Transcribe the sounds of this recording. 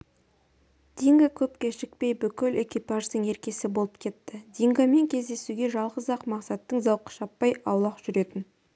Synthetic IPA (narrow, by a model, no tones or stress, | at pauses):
d̪̥iŋɡakʲʰɵpkʲeʃɪk̚pe̞jbʏkʲɪlekʲipɑʒd̪əɴe̞ɾkʲe̞sɪbo̞lˠəp̚kʲʰe̞t̪ːɪd̪iŋɡɑme̞ŋkʲʰe̞zd̪e̞suɡʲe̞ʒɑlˠʁəzɑqmɑqsɑt̪ːəɴzɑwqə̥ʃɑpːɑjɑwlˠɑqʒ̥ʏɾe̞t̪ɪn